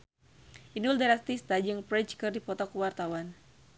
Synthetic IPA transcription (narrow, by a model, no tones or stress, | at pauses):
ʔinuldaɾast̪ist̪ad͡ʒɨŋpɾɛt͡ʃkɨrdipɔt̪ɔkuwart̪awan